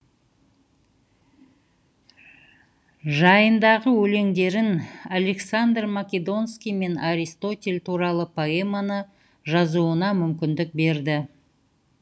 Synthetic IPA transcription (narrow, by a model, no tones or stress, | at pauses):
ʒɑjənd̪ɑʁəwɵle̞ŋd̪e̞ɾɪnale̞ksand̪rmakʲe̞d̪o̞nskʲijme̞naɾijst̪o̞t̪ʲe̞lʲt̪ʰuɾɑlˠəpʰo̞emanə | ʒɑzuənɑmʏmkʲɪnd̪ɪk̚be̞ɾd̪ɪ